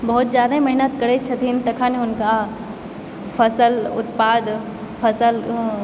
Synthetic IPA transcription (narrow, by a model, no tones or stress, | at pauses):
bɐɦʊt̪zjaːd̪aɦẽmɐɦɪnət̪kɐɾet͡ʃʰɐt̪ʰint̪ɐkʰãːneʊnka | fʰɐsəlʊt̪paːd̪ | fʰɐsəl